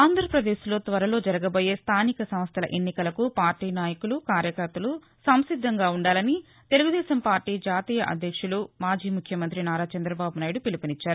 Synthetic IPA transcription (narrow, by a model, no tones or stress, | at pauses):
aːnd̪ʱɾɐpɾɐd̪eːslo̞ːt̪ʋɐɾɐlo̞ːd͡ʒɐɾɐɡɐbo̞ːje̞ːst̪ʰaːnikɐsɐmst̪ʰɐlɐʔenːikɐlɐkupaːɾʈiːnaːjɐkulukaːɾjɐkɐɾt̪ɐlu | sɐmsid̪ʱːɐŋɡaːuɳɖaːlɐni | t̪e̞luɡud̪ɛːʃɐmpaːɾʈiːd͡ʒaːt̪iːjɐʔɐ̰d̪ʱjɐkʂulumaːd͡ʒiːmukʰjɐmɐnt̪ɾinaːɾaːt͡ʃɐnd̪ɾɐbaːbunaːjiɽupilipinit͡ʃːaːɾuu